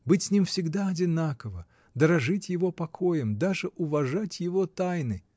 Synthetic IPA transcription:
bɨtʲsʲnʲimfsʲɪɡd̪aɐdʲɪnakəvə | d̪əɾɐʐɨtʲjɪvopɐkʰo̞jɪmd̪aʐɨʔʊvɐʐatʲjɪvot̪ajnɨ

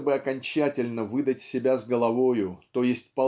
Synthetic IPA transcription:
bɨɐkɐnʲt͡ɕætʲɪlʲnəvɨd̪ətʲsʲɪbʲazɡəlˠɐvo̞jʊt̪o̞jɪsʲtʲpɐ

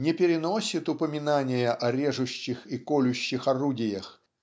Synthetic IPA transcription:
nʲɛpʲɪɾʲɪnɔsʲit̪ʊpəmʲɪnanʲɪjɐʔɐɾʲɛʐʊɕːɪxikɔlʲʊɕːɪxarudʲɪjɐx

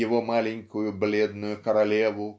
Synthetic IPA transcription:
jɪvomalʲɪnʲkʊjʊblʲed̪nʊjʊkɐɾɐlʲevʊ

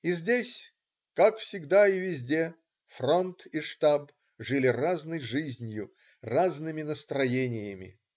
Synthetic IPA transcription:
izʲdʲesʲ | kakfsʲɪɡd̪aɪvʲɪzʲdʲe | front̪iʂt̪ab | ʐɨlʲɪraznəjʐɨzʲnʲjʊ | raznɨmʲɪnəst̪ɾɐjenʲɪjəmʲɪ̰

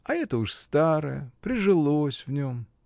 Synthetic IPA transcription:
ɐɛt̪əuʂst̪aɾə̰jə̰pɾʲɪʐɨlˠosʲvnʲom

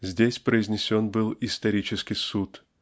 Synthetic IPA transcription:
zʲdʲesʲpɾəɪzʲnʲɪsʲo̞nbɨlˠɪst̪ɐɾʲit͡ɕɪskʲɪsut̪

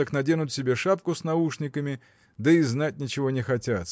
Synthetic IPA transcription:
əknɐdʲenʊt̪sʲɪbʲeʂap̚kʊsnɐuʂnʲɪkəmʲɪ | d̪əɪznat̚ʲnʲɪt͡ɕɪvo̞nʲɪxɐtʲat̪

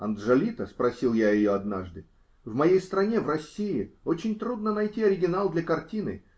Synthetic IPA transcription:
ɐnd̪ʐɐlʲit̪əspɾɐsʲilˠjajɪjoɐd̪naʐd̪ɨ | vmɐjejst̪ɾɐnʲe̞vrɐsʲːiɪot͡ɕɪnʲt̪ɾud̪nənɐjtʲiɐɾʲɪɡʲɪnalˠd̪lʲɐkɐrtʲinɨ̰

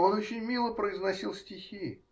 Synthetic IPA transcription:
o̞not͡ɕɪnʲmʲilˠəpɾəɪznɐsʲilˠsʲtʲɪxʲi

